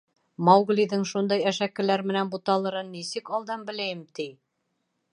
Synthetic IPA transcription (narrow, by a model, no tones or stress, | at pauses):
mɑwɡlʲiðɘŋʃund̪ɑjæʃækːɘ̆læɾmɘ̆nænbut̪ɑlˠɤ̆ɾɤnːisɘkɑlˠd̪ɑmbɘ̆læjɘmt̪ij